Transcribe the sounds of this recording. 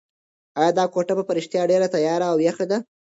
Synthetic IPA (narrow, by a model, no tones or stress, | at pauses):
ɑjɑd̪ɑkoʈabapaɾɪʃt̪jɑɖeɾat̪ajɑɾaːwjaxed̪a